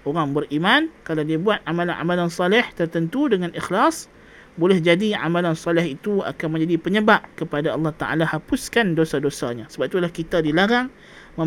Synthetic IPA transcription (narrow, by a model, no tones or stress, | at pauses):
oɾaŋbərʔimankalawdiabuat̪̚ʕamalana̰malansɑlɛht̪ərt̪ənt̪udəŋãnixlas | bolɛhd͡ʒadiʕa̰malansɔlɪhit̪ua̰kanmə̃ɲd͡ʒadipəɲəbaʔkəpadaɑlːɑht̪aʔa̰lahapʊskandosadosa̰ɲasəbap̚it̪ulahkit̪adilaɾaŋ | mə̃